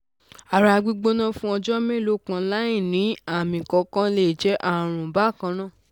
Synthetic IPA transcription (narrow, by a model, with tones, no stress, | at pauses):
a˨ɾa˧˨˧ɡ͡bi˧ɡ͡bo˦nã˦fũ˦ɔ˧d͡ʒɔ˦mẽ˦˨lo˨˦kã˧la˦ĩ˦˨nĩ˨˦a˦˨mĩ˨kɔ˨˦kã˦le˦˨d͡ʒɛ˨˦ʔa˦˨ɾ̃ũ˨ba˦˨kã˧˦nã˦˨